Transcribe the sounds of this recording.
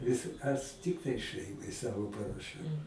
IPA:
ˈʋʲɪs ɐs ˈtʲɪktɐɪ ˈʃɜɪmɐɪ ˈsɑːʋoː pɐrɐˈʃʲɛʊ

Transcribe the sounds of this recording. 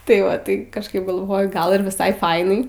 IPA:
tɐɪ ˈʋɐ tɐɪ kɐʃˈkɐɪp ɡɐlˠˈʋoːjʊ ˈɡɐlˠ ɪr ʋʲɪˈsɐɪ ˈfɐɪnɐɪ

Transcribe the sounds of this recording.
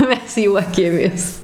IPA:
ˈmʲɛs ˈjuɔkʲeːmʲeːs

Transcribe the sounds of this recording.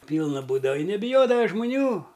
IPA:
ˈpʲiːlˠnɐ ˈbuːdɐʋɐ ɪ nʲɛbʲɪˈjoːdɐʋɐ ʒmʊˈnʲuː

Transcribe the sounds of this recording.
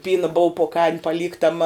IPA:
ˈpʲiːnɐ boːʊ poː kɐɪm pɐˈlʲiːktɐmɐ

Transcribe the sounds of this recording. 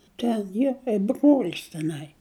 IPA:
ˈtʲɛn ˈjiɛ kɐɪp broːlʲs tʲɛˈnɐɪ

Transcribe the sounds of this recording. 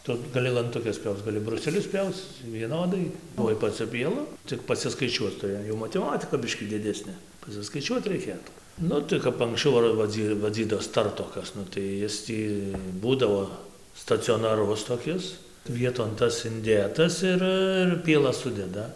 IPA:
ˈtʊ ɡɐˈlʲɪ lˠɐntʊˈkʲɛs ˈpʲjɛʊt͡s ɡɐˈlʲɪ brʊˈsʲæːlʲʊs ˈpʲjɛʊt͡s ʋʲiɛˈnoːdɐɪ tuɔj pɐˈt͡sʲʊ pʲiɛˈlˠʊ ˈt͡sʲɪk pɐsʲɪskɐɪˈt͡ʃʲuɔt͡s tʊˈrʲɪ jɛʊ mɐtʲɛˈmɑːtʲɪkɐ ˈbʲɪʃʲkʲiː dʲɪˈdʲæːsʲnʲeː pɐsʲɪskɐɪˈt͡ʃʲuɔt rʲɛɪˈkʲeːtuː ˈnʊ tɐɪ kɐp ɐŋksʲˈt͡ʃʲɛʊ ɐr ʋɐˈd͡zʲiː ʋɐˈd͡zʲiːdoːs ˈtɐrtoːkɐs ˈnʊ tɐɪ ˈɪs tʲiː ˈbuːdɐʋoː stɐt͡sʲoːnɐˈrʊs toːˈkʲɪs ˈʋʲiɛtoːn ˈtɐs ɪnʲˈdʲeːtɐs ˈɪr ɪr pʲiɛˈlˠɐs ˈsʊdʲɛdɐ

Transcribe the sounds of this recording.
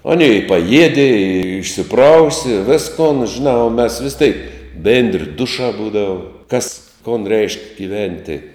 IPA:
ɐˈnʲeː ɪ pɐˈjiɛdʲɪ ɪ ɪʃʲsʲɪˈprɐʊsʲɪ ɪ ˈʋʲɪskoːn ʒʲɪˈnɑː oː mʲɛs ʋʲɪs tʲɛɪk ˈbʲeːnʲdʲrʲɪ ˈdʊʃɑː ˈbuːdɐʋʊ kɐs koːn rʲɛɪʃʲkʲ ɡʲɪˈʋʲɛnʲtʲɪ

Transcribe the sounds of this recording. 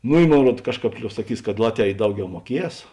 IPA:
ˈnʊ ɪ ˈmoːn ˈruɔt ˈkɑːʃˌkɑːp ˈlʲoːp sɐˈkʲiːs kɐt ˈlˠɑːtʲˌʋʲɛː ɪ ˈdɐʊˌɡʲɛʊ muɔˈkʲiɛs

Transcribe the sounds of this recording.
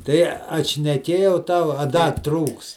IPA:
ˈtɐɪ ɐtʲʃʲnʲɛˈkʲeːjɛʊ ˈtɐʊ ɐ ˈdɐ ˈtruːks

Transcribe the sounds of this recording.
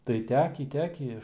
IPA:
tɐɪ ˈtʲæːkʲiː ˈtʲæːkʲiː

